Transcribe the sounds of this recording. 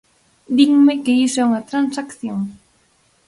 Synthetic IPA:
d̪iŋmekeisɛuŋɐt̪ɾansakθjoŋ

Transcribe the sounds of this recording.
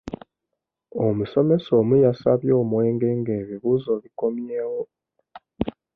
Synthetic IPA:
omuso̞me̞so̞mujasaβjo̞ːmwe̞ːŋɡe̞ːŋɡe̞ːβiβuːzo̞βiko̞mjeːwo

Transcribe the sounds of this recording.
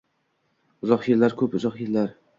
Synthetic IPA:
ʊzɒqjelːaɾkʲʰɵpʊzɒqjellaɾ

